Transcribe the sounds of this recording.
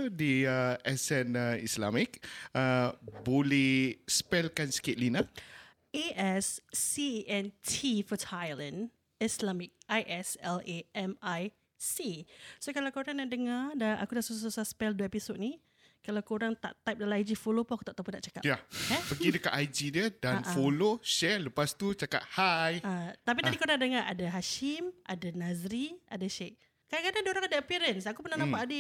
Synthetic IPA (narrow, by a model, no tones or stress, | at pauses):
diəɛsɛnəḭslamik̚əbolɛhspɛlkansə̥ket̪̚lina | ʔeʔɛsːiʔɛntʰifətʰajlə̃n | islamik̚ajʔɛsɛleʔɛmaj | sisokalawkoɾaŋnaʔdəŋadaa̰kudaʔsusasusaspɛlduepisod̪̚ni | kalawkoɾaŋt̪a̰ʔt̪ajp̚dalãajd͡ʒifolopuaku̥t̪aʔt̪apunaʔt͡ʃakajaɛpəɡidəka̰ʔ̪ajd͡ʒidədaanʔfoloʃɛləpast̪ut͡ʃaka̰t̪̚hajat̪ap̬it̪adikoɾaŋdəŋaʔadaɦaʃimʔa̰danazɾiʔa̰daʃeʔ | kadaŋkadaŋdoɾaŋadaəpiɾənsakupənahnãpaʔadi